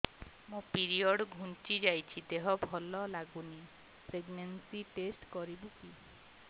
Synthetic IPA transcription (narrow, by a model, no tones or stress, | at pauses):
mũpiɾiɔɖɡʱunt͡ʃid͡ʒajt͡ʃʰid̪eɦɔbʱɔlɔlaɡuni | pɾeɡnensiʈesʈkɔɾibuki